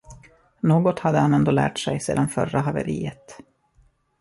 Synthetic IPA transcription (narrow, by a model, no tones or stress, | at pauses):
noːɡɔt̪had̪ːəhanɛnd̪oːlæ̰ːʈʂɛjseːd̪anfœraɦavɛ̰ɾiːət̪